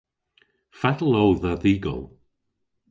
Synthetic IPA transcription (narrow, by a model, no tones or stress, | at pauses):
fatl̩ˠowðaðiːɡɔ̰lˠ